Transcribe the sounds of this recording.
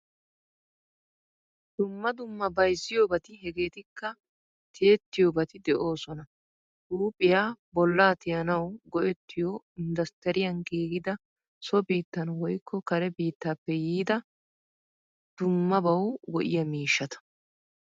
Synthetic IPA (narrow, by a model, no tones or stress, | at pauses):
d̪̥ʊmːɐd̪ʊmːɐbɐjzːɪjoːbɐt̪ɪɦɛɡe̞ːt̪ɪkːɐ | t̪ʰɪɛt̪ːɪjoːbɐt̪ɪd̪ɛʔo̞ːsɔnɐ | duːpʼːɪjaːbɔlːaːt̪ɪjɐnɐwɡɔʔɛt̪ːɪjoː | ɪnd̪ɐst̪ɛɾɪjɐnɡiːɡɪd̪ɐ | sɔbiːt̪ːɐnwɔjkːɔkɐɾɛbiːt̪ːaːpːɛjiːd̪ɐ | d̪̥ʊmːɐbɐwwɔʔɪ̰jɐmiːʃːɐt̪ɐ̥